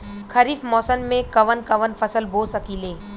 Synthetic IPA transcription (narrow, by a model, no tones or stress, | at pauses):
kʰɐɾiːfmɔːsənmẽkɐʋənkɐʋənfɐsəlboːsɐkiːlẽː